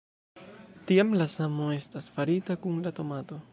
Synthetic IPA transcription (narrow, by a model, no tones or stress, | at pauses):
tiamlasamo̞e̞stasfaɾitakuŋlato̞mato̞